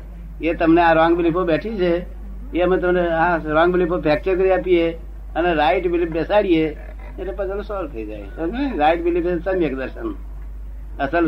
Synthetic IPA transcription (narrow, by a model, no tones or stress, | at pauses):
jet̪ɐmneãɾãːŋɡbɪlipobɛːʈʰit͡ʃʰe | jemẽt̪̬ɐmneãɾãːŋɡbɪlipʰopʰɛːk̚t͡ʃəɾkəɾiaːpije | əneɾaːɪʈbɪlipbesaːɽije | meːɾepəd͡ʒəlosolt̪ʰəid͡ʒa̰ːḛonɾaːɪʈbɪlipesɐmeːkd̪əɾʃən | ɐsəl